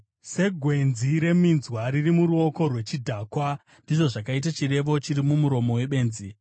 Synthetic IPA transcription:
se̞ɡʱwe̞nziɾe̞minzwaɾirimuɾuo̞ko̞rwe̞t͡ʃidʱaːkwa | ndiʐo̞ʐakait̬at͡ʃire̞ʋo̞t͡ʃiɾimumuɾo̞mo̞we̞ɓe̞ːnzi

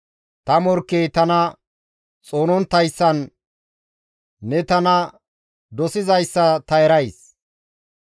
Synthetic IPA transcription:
t̪ɐmɔɾkːejt̪ɐnɐ | t͡sʼo̞ːnɔnt̪ːɐjsːɐn | ɛt̪ɐnɐ | d̪ɔsɪzɐjsːɐt̪ɐɛɾɐjs

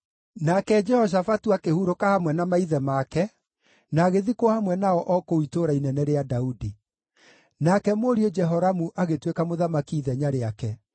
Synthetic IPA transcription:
nakɛd͡ʒɛhɔʃ̬afatuakehuɾokahamwɛnamaiðɛmakɛ | naːɣeðikwɔhamwɛnaɔʔɔkoitoɾainɛnɛɾeadaudi | nakɛmoɾiod͡ʒɛɦɔɾamuʔaɣetwekamoðamakiːðɛɲaɾeakɛ

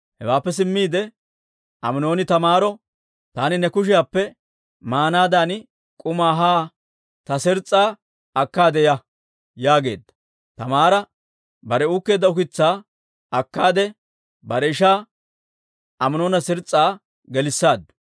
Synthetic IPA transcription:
hɛ̰waːpːɛs̬ɪmːiːd̪ɛ | ʔɐmɪno̞ːnɪt̪ɐmaːɾɔ | t̪aːnɪnɛkʊʃ̬ɪjaːpːɛ | maːnaːd̪an | kʼʊmaːɦaː | t̪ɐsɪɾt͡sʼːaː | ɐkːaːd̪ɛjɐ | jaːɡe̞̰ːd̪ːɐ̥ | t̪ɐmaːɾɐ | bɐɾɛuːkːe̞ːd̪ːɐʊkɪt͡sːaː | ɐkːaːd̪ɛ | bɐɾɛɪʃaː | ʔɐmɪno̞ːnɐsɪɾt͡sʼːaː | ɡɛlɪsːaːd̪ːʊ̥

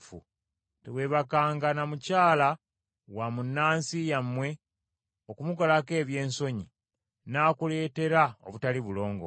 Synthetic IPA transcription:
fṵ | tewe̞βakaːŋɡanamucaːla | wamunːaːnsijamːwe̞ | o̞kumukolake̞ːβje̞ːnso̞ɲi | naːkule̞ːte̞ɾao̰βutaliβulo̞ːŋɡo̰

